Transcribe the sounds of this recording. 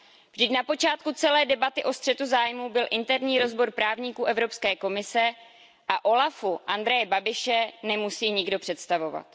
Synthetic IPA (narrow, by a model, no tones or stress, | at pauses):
vʒdɪcnapo̞t͡ʃaːt̪kut͡sɛlɛːdɛbat̪ɪʔo̞st̪r̥ɛt̪uzaːjmubɪlʔɪnt̪ɛɾɲiːɾo̞zbo̞ɾpɾaːvɲikuːʔɛvɾo̞pskɛːko̞mɪsɛ | ʔaʔo̞lafuʔand̪ɾɛjɛbabɪʃɛnɛmusiːɲɪɡdo̞pr̝̥ɛt̪st̪avo̞va̰t̪